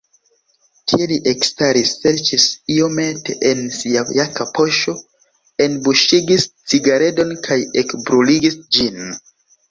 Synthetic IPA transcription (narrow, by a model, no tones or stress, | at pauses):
tʰieliʔekstaɾisːe̞ɾt͡ʃisiomete̞̰ʔensiajakapo̞ʃo̞ | e̞nbuʃiɡist͡siɡaɾe̞do̞nkʰajekbɾuliɡisd͡ʒin